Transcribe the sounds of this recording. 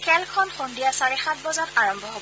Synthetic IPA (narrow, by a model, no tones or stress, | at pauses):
kʰɛlkʰɔnxondijasaɹɛxat̚bɔzataɹɔmbʱɔɦob